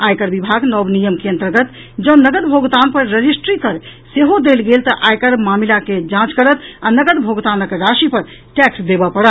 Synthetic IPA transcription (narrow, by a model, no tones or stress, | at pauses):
ajkəɾbibʱaɡnɔbnijəmkeənt̪əɾɡət̪ | d͡ʒənəɡəd̪bʱoɡt̪anpəɾːəd͡ʒisʈɾikəɾseɦod̪elɡelt̪əʔajkəɾmamilaked͡ʒãt͡ʃkəɾət̪anəɡəd̪bʱoɡt̪anəkɾaʃipəɾ | ʈɛksd̪ebəpəɽət̪